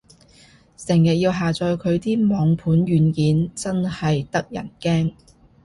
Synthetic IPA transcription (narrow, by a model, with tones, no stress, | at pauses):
sɪ˨˩ŋjɐ˨t̚jiː˧wɦaː˨t͡sɔː˧jkʰɵ˨˧ɥt̪iː˥mɔː˨˧ŋpʰuː˨˥nɥyː˨˧nkiː˨˥nt͡sɐ˥nhɐ˨jt̪ɐ˥k̚jɐ̰˨˩nkɛː˥ŋ